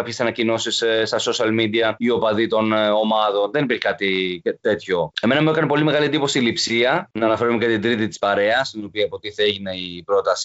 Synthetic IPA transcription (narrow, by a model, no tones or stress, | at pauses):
kɐpçesɐnɐcino̞sisst̪ɐso̞sɐlmid̪iɐio̞pɐðit̪o̞no̞mɐðo̞nðe̞nipiɾçekɐt̪it̪e̞t̪ço̞e̞me̞nɐmuekɐnipo̞limeɣɐliend̪ipo̞silipsiɐnɐːnɐfe̞ɾumece̞t̪ind̪ɾit̪it̪i̥spɐɾe̞ɐst̪ino̞piɐpot̪iθeʝineipɾo̞t̪ɐsi̥